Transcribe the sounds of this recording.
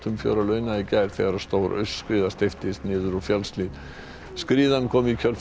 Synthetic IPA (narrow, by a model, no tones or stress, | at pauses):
t̪ʏmfjo̰ːwɾalœːɥnaicajɾ̥θɛ̰ːɣaɾaðst̪owɾʔœ̰ɥsːkɾiːðast̪ɪft̪ɪst̪nɪːðʏɾɔɣfjalsliːt̪ | skɾiːðankʰɔːmɪicʰœl